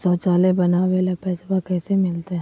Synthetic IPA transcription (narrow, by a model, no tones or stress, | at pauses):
sɔːt͡ʃaːlebɐnaʋelepɛːsbakɛːsemɪlt̪eɦɛ̃